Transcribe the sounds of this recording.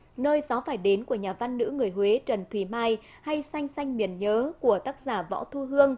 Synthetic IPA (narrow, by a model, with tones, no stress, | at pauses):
nəː˧jzɔ˨˦faː˧˩jɗe˨˦nku˧˩əɲaː˨˩va˧nːɨ̰˧˥ŋɨ˨˩əjhwe˨˦t͡ɕə˨˩nt̪ʰwi˧˩maː˧j | ha˧jsa˧jŋ̟sa˧jŋ̟mi˨˩ənɲəː˨˦ku˧˩ət̪aː˦˥k̚zaː˧˩vɔ̰˧˥wt̪ʰu˧ɦɨ˧əŋ